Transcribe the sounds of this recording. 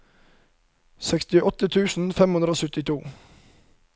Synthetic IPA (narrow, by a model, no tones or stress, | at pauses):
sɛkst̪ɪʔɔt̪ət̪ʰʉːsn̩fɛmhʉnd̪ɾəoːsʉt̪ɪt̪ʰuː